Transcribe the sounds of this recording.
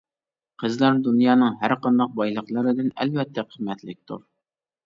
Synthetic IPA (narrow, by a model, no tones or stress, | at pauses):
qʰəzlˠɑɾd̪unjɑːnɨŋɦæɾqɑnd̪ɑq̚bɑjlˠəqlˠəɾɨd̪ɨnɛ̰lvɛt̪ʰːɛqʰəmːɛt̪lɪk̚ʲt̪ʰṵɾ